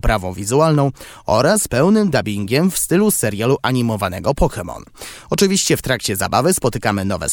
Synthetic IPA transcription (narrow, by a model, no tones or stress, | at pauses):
pɾavɔ̃w̃vʲizualnɔ̃w̃ | ɔ̰ɾaspɛwnɘmd̪abʲiŋɡʲɛmfst̪ɘlusɛɾjaluʔaɲimɔvanɛɡɔpɔxɛmɔ̰nɔt͡ʂɘvʲiɕt͡ɕɛft̪ɾakt͡ɕɛza̰bavɘspɔt̪ɘkamɘnɔvɛ̰